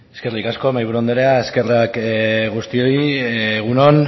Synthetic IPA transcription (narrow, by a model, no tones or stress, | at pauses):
eskerikasko̞majβuɾuo̞nd̪o̞ɾe̞aeske̞rakɣust̪io̞ieɣuno̞n